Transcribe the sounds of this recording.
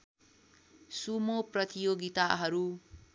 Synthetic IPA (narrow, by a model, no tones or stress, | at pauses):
sumoprʌt̪ijoɡit̪aɦʌɾu